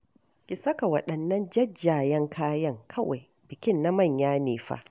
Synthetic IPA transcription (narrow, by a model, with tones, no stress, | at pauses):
kʲɪ˨sɐ˦ka˨wɐ˨ɗɐ˨nːɐ˦nd͡ʒɐ˦d͡ʒːaː˨jɛ˦ŋkʰaː˦jɐ˦ŋkʰɐ˦wa̰˨j | b̥ɪ˨kʲɪ˦˨nːa˦mɐ˦˨ɲjaː˦neː˨ɸa̰ː˦